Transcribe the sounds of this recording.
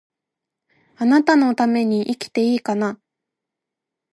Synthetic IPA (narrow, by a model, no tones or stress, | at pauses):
anat̪ano̞t̪ame̞ɲ̟iʔikʲi̥t̪e̞iːkana